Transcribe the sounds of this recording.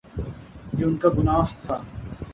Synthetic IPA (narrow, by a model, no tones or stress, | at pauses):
jeʊnkaɡʊnaːɦt̪ʰaː